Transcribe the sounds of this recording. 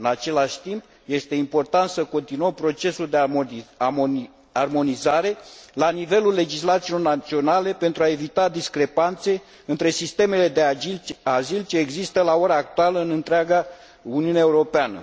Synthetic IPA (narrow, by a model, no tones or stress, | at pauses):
ɨnat͡ʃe̞laʃʲt̪imp | je̞st̪e̞impo̞rt̪ant̪səko̞nt̪inuəmpɾo̞t͡ʃe̞suld̪e | armo̞nizaɾe̞lanive̞lulːe̞d͡ʒislat̪silo̞rnat̪sio̞nale̞pe̞nt̪ɾuae̞vit̪ad̪iskɾe̞pant̪se̞ | ɨnt̪ɾe̞sist̪e̞me̞le̞d̪eazilt͡ʃe̞ːɡzist̪əlao̞ɾaːk̚t̪ualəɨnɨnt̪ɾeaɡa | uniuneaeuɾo̞peanə̰